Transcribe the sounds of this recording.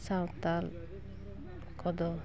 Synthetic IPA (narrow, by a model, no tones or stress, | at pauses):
sawt̪al | kʰɔd̪ɔ